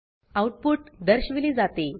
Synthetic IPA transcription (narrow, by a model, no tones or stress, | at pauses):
awʈ̚puːʈd̪əɾɕʋiliːd͡zat̪e